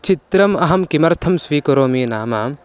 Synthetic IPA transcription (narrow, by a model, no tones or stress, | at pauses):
t͡ʃit̪ɾɐmɐɦɐmkimɐɾt̪ʰɐmsʋiːkɐɾoːmiːnaːmɐ